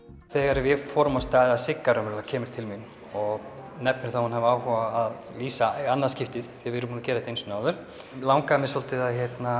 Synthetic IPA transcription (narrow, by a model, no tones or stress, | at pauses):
θɛɣaɾvɪfɔɾmast̪aːjðɪðasɪkːaɾʏmɾlacʰɛːmɪɾ̥t̪ʰɪlminː | ɔɣnɛpnɪɾ̥θawhunɦavaːwhɔvaːðliːsaanːaðscɪft̪ɪð̥ɛvɪɾʏmpuncɛːɾaɛt̪ejnsʏnaːwðʏɾ̥ | lawŋkamɛsɔlt̪ɪðaðçjɛt̪na